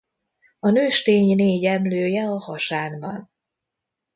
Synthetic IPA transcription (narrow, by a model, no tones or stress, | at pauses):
ɒnøːʃt̪eːɲneːɟɛmløːjɛɒhɒʃaːnbɒn